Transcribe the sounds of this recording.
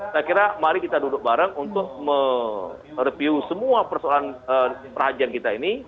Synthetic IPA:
sakiɾamaɾikit̪adudʊk̚baɾəŋunt̪ʊk̚mə | rəpiusəmuapərsoalanəpərhad͡ʒiankit̪aini

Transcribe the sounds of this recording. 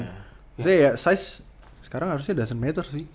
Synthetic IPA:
sijasajs | sə̥kaɾaŋɦaɾʊs̬ɲadas̬ənmet̪ərsɪh

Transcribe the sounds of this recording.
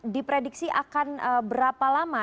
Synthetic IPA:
dipɾedik̚siʔa̰kanəbəɾapalama

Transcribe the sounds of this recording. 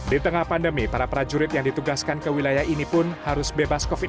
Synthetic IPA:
dit̪əŋahpandəmipaɾapɾad͡ʒuɾɪt̪̚jaŋdit̪uɡaskankəwilajahinipʊnhaɾʊsbebaskofi

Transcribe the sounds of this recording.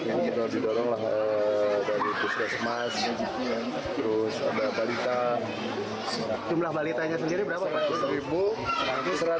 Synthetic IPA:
anit̪odidɔɾɔŋlahədaɾip̪uskasəmas | t̪əɾʊsa̰dabalit̪a | d͡ʒumlahbalit̪aɲasəndiɾibəɾapaatʊsɾibuakisəɾa

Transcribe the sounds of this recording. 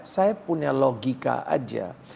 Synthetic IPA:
sajapuɲaloɡika̰a̰d͡ʒa̰

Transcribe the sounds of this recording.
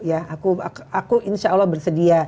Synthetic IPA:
jaakuaakuʔinʃaːlːɔhbərsədia

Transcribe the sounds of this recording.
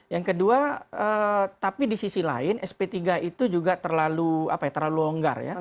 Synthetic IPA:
jaŋkəduaət̪apidisisila̰ɪnʔɛspet̪iɡaʔit̪ud͡ʒuɡat̪ərlalua̰pajat̪ərlaluoŋɡa̰rja̰

